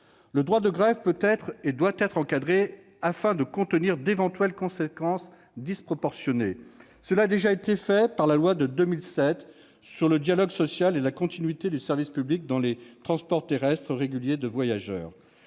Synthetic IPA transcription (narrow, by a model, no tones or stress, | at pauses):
ləd̪ʁwad̪əɡʁɛvpøt̪ɛt̪χed̪wat̪ɛt̪χɑ̃kad̪ʁe | afɛ̃d̪əkɔ̃t̪əniʁd̪evɑ̃t̪ɥɛlkɔ̃sekɑ̃s | d̪ispχɔpɔʁsjɔne | səlaːd̪eʒaet̪efɛpaʁlalwad̪əd̪ømilsɛt̪ | syʁləd̪jalɔɡsɔsjalelakɔ̃t̪inɥit̪ed̪ysɛʁvispyblik̚d̪ɑ̃let̪χɑ̃spɔʁt̪eʁɛst̪χəʁeɡʲyljed̪əvwajaʒœ̰ːʁ